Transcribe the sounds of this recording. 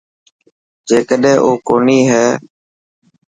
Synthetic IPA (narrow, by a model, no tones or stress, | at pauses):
d͡ʒeːkəɗɦẽːʔoːkoːniːɦɛː